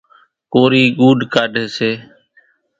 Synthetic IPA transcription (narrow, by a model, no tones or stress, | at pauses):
koːɾiːɡuːɖkaːɖʱeːseː